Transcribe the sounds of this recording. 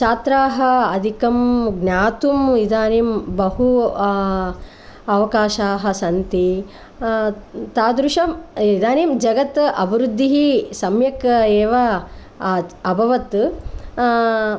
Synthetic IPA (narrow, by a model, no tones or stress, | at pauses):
t͡ʃaːt̪ɾaːɦɐɐd̪ʱikɐmɡnʲaːt̪umid̪aːniːmbɐɦu | ɐʋɐkaːʃaːɦɐ̆sɐnt̪i | t̪aːd̪ɾuʃɐmid̪aːniːmd͡ʒɐɡɐt̪ɐ̰bɾud̪ʱːiɦisɐmjɐkeːʋɐ | ɐbʱɐʋɐt̪